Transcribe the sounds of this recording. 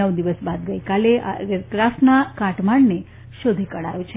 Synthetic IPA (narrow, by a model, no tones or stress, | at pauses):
əʋd̪iʋəsbad̪̚ɡəikaleakɾasnakãʈmaɳne | ʃod̪ʱikəɽa̰jõt͡ʃʰe